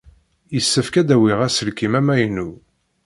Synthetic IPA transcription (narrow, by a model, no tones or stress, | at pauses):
jəsːəfkæd̪æwiʁæsəlkimæmæjnu